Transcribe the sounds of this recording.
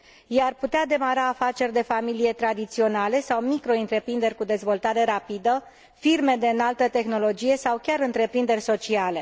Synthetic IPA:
jejarput̪ead̪e̞maɾaːfat͡ʃe̞rʲd̪e̞familije̞t̪ɾad̪it̪sio̞nale̞sawmikɾo̞iɨnt̪ɾe̞pɾind̪e̞rʲkud̪e̞zvo̞lt̪aɾe̞ɾapid̪ə | firme̞d̪eɨnalt̪ət̪e̞xno̞lo̞d͡ʒije̞sawkʲaɾɨnt̪ɾe̞pɾind̪e̞rʲso̞t͡ʃiale̞

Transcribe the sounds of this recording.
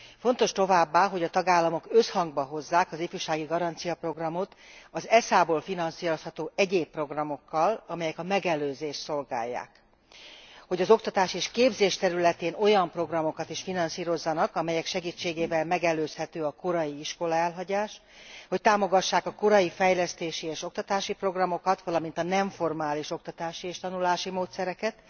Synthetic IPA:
fo̞nt̪o̞ʃt̪o̞vaːbːaːɦo̞ɟɒt̪ɒɡaːlːɒmo̞kø̞shɒŋɡ̚bɒɦo̞zːaːkɒzifyʃaːɡiɡɒɾɒnt̪sijɒpro̞ɡrɒmo̞t̪ɒzɛsaːboːlfinɒnsiːɾo̞shɒt̪oːɛɟeːpːro̞ɡrɒmo̞kːɒlɒmɛjɛkɒmɛɡɛløːzeːʃso̞lɡa̰ːjːa̰ːk | ho̞ɟɒzo̞k̚t̪ɒt̪aːʃieːʃkeːbzeːʃt̪ɛɾylɛt̪eːno̞jɒmpro̞ɡrɒmo̞kɒt̪iʃfinɒnsiːɾo̞zːɒnɒkɒmɛjɛkʃɛɡiːt͡ʃːeːɡeːvɛlmɛɡɛløːshɛt̪øːɒko̞ɾɒjiiʃko̞lɒɛlɦɒɟaːʃ | ho̞c̚t̪aːmo̞ɡɒʃːaːkɒko̞ɾɒjifɛjlɛst̪eːʃieːʃo̞k̚t̪ɒt̪aːʃipro̞ɡrɒmo̞kɒt̪ʋɒlɒmint̪ɒnɛɱfo̞rmaːliʃo̞kt̪ɒt̪aːʃieːʃt̪ɒnulaːʃimoːt̪sɛɾɛkɛt̪

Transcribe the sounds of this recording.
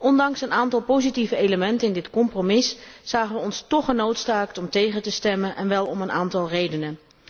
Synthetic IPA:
ʔɔndɑŋsənaːntɑlˠpowzitivəejləmɛntənɪndɪtkɔmpromɪsz̥aːχənʋəɔnstɔχənowtsaːk̚tɔmtejχətəstɛmənʔɛnʋɛlˠɔmənʔaːntɑlˠrejdənə

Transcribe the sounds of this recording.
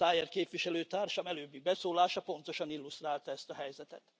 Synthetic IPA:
aːjɛrkeːpvʋiʃɛløːt̪aːrʃɒmɛløːbːiɡ̚bɛsoːlaːʃɒpo̞nt̪o̞ʃɒnilːust̪raːlt̪ɒɛst̪ɒɦɛjzɛt̪ɛ̰t̪

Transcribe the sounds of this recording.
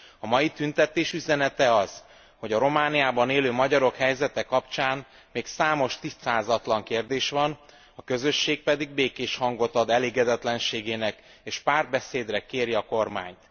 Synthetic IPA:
ɒmɒjit̪ynt̪ɛt̪eːʃyzɛnɛt̪ɛɒz̥ | ho̞ɟɒɾo̞maːnijaːbɒneːløːmɒɟɒɾo̞khɛjzɛt̪ɛkɒpt͡ʃaːn | meːksaːmo̞ʃt̪ist̪saːzɒt̪lɒŋkeːrd̪eːʃʋɒn | ɒkø̞zøʃːeːk̚pɛd̪iɡ̚beːkeːʃhɒŋɡo̞t̪ɒd̪ɛleːɡɛd̪ɛt̪lɛnʃeːɡeːnɛk | eːʃpaːrd̪̚bɛseːd̪rɛkeːɾiɒko̞rma̰ːɲt̪

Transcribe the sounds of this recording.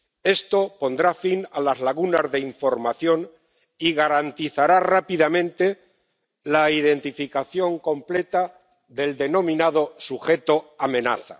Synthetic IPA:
e̞st̪opo̞nd̪ɾafinalazlaɣunazðeiɱfo̞ɾmaθjo̞n | iɣaɾant̪iθaɾarapiðamẽnt̪e̞ | laiðe̞nt̪ifikaθjo̞ŋkõ̞mple̞t̪a | ðe̞ld̪e̞no̞mĩnað̞o̞suxe̞t̪o̞amẽ̞na̰θa̰

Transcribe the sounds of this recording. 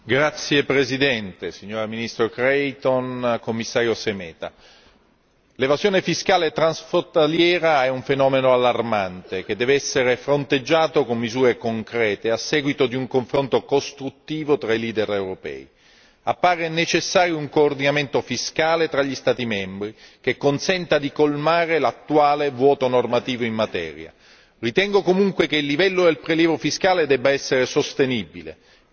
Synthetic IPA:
ɡɾat̪sːjepɾezid̪ɛnt̪esiɲːoːɾaminist̪ɾokɾɛjt̪onkomːisːaːɾjosemɛːt̪a | levazjoːnefiskaːleɛt̪ɾansfɾont̪aljɛːɾaɛuɱfenɔːmenoalːarmant̪ek̟ed̪ːɛːveɛsːeɾefɾont̪ed͡ʒːaːt̪okomːizuːɾekoŋkɾɛːt̪easːɛːɡwit̪od̪iuŋkoɱfɾont̪okost̪ɾut̪ːiːvot̪ɾailiːd̪erewɾopɛ̰ːḭ | apːaːɾenet͡ʃesːaːɾjouŋkoːrd̪inament̪ofiskaːlet̪ɾaʎːist̪aːt̪imɛmbɾikekːonsɛnt̪ad̪ikolmaːɾelat̪ːuaːlevwɔːt̪onormat̪iːvoimːat̪ɛ̰ːɾja̰ | rit̪ɛŋɡokomuŋkwekeilːivɛlːod̪elpɾeljɛːvofiskaːled̪ɛbːaɛsːeɾesost̪enibilḛ

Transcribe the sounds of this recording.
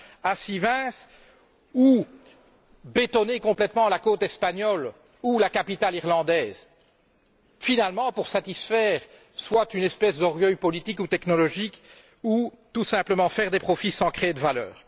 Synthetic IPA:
asivɛ̃s | u | bet̪ɔnekɔ̃plɛt̪mɑ̃lakot̪ɛspaɲɔl | ulakapit̪aliʁlɑ̃d̪ɛːz | finalmɑ̃puʁsat̪isfɛːʁ | swat̪ynɛspɛsd̪ɔʁɡœjpɔlit̪ikut̪ɛknɔlɔʒik | u | t̪usɛ̃pləmɑ̃fɛʁd̪epχɔfisɑ̃kχeed̪əvalœ̰ːʁ

